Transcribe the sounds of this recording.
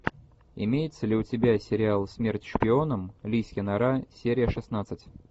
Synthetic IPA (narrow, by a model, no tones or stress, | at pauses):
ɪ̰mʲejɪt̪səlʲɪʊtʲɪbʲasʲɪɾʲɪalˠsʲmʲertʲʂpʲɪo̞nəmlʲisʲjʲɪnɐɾasʲeɾʲɪjəʂɨsnat̪sɨtʲ